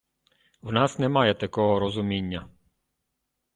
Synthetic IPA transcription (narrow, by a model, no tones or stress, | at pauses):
wnɑsnɛmɑjɛt̪ɐkɔɦɔɾɔzʊmʲinʲːɐ